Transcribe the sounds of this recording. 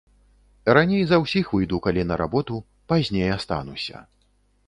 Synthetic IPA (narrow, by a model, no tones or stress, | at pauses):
ranʲejzɐwsʲixvɨjd̪ukalʲinɐɾa̰bɔt̪u | pazʲnʲejast̪a̰nusʲɐ̰